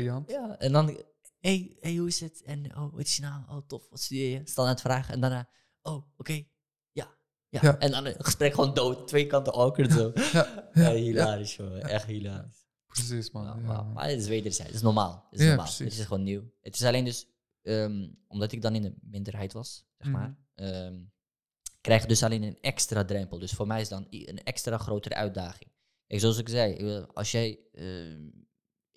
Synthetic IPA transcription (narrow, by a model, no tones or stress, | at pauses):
ɑnjaɛndɑn | ɦejhejɦuɪsətɛno̰wʋɑ̰tɪ̥snawo̰wtɔfɑtstydɪːjəstɑndaːɹtfraːχəɛ̰ndanaː | ʔowokej | jaː | jaʔɛndɑnχəspɾɛkχəʋoːndowttːʋejkɑntəʔɔkənzoː | aɦilaːɾɪsoʔɛχthilaːɾis | psisa̰a̰ma̰ətɪsʋeːdəɹzɛ̰jttɪsnɔɹmaːlˠtɪssnɔma̰ːlətɪsχʋoːnːiwətɪ̥sɑleːndɵs | əːmʔɔmdɑtɪɡ̚dɑnɪndəmɪndəɹɦɛjtʋɑsz̥ɛχmaːr | əm | krɛjχdɵsaleːnənɛkstradrɛmpəlˠdɵsfʊːɹmɛjɪsdɑnə̰nɛkstraːχrowtərə̰ʔœɥt̚daːχɪŋ | kɛjksoɑs̬ɪkzɛjɪ̰kʋɪlɑ̰lˠsjɛjə̰